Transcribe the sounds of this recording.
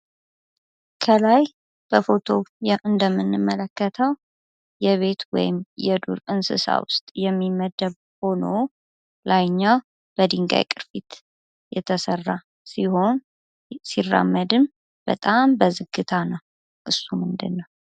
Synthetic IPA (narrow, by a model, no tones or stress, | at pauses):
kʰəlaj | b̥əfo̞t̪ʰo̞ʔɨnd̪əmːɨnːɨmːələkːət̪ʰəw | jɛβe̞t̪wɔ̰jɪmjɛd̪ṵɾɨnsɨ̰sa̰wʊ̰st̪ʼjɛmːiməd̪əβ | ho̞no̞ | lajɲːaw | b̥əd̪iŋɡa̰jkʼɨɾfit̪ | jɛt̪ʰəsərːa | siho̞n | sirːa̰mːəd̪ɨm | b̥ə̰t̪ʼambəzɨɡːɨt̪ʰanəw | ʔɨsːumɨnd̪ɨnːəw